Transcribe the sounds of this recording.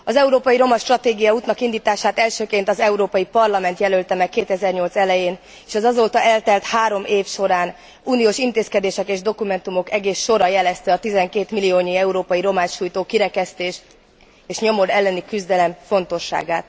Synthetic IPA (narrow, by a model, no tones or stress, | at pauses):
ɒzɛuɾoːpɒjiɾo̞mɒʃt̪rɒt̪eːɡijɒuːt̪nɒkind̪iːt̪aːʃaːt̪ɛlʃøːkeːnt̪ɒzɛuɾoːpɒjipɒrlɒmɛnt̪jɛlølt̪ɛmɛkːeːt̪ɛzɛrɲo̞lt̪sɛlɛjeːn | eːʃɒzɒzolt̪ɒʔɛlt̪ɛlt̪haːɾo̞mʔeːfʃo̞ɾaːn | uːnijoːʃint̪eːskɛd̪eːʃɛkeːʒd̪o̞kumɛnt̪umo̞kɛɡeːsːo̞ɾɒjɛlɛst̪ɛɒt̪izɛŋkeːt̪milijoːɲiɛuɾoːpɒjiɾo̞maːʃuːjt̪oːkiɾɛkɛst̪eːʃ | eːʃɲo̞mo̞ɾɛlːɛnikyzd̪ɛlɛɱfo̞n̪t̪o̞ʃːa̰ːɡaːt̪